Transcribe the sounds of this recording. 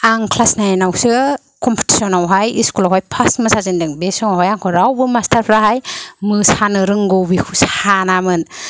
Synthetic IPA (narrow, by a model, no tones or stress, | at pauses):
aŋkʰlasnajanawsɯ | kʰɔmpʰi̥ti̥sɔnawɦajiskulawɦajpʰasmɯsazindɯŋbesɔŋawɦajaŋkʰɔɾawbɯmastʰaɾpʰɾaɦajmɯsanɯɾɯŋɡowbikʰushanamɯn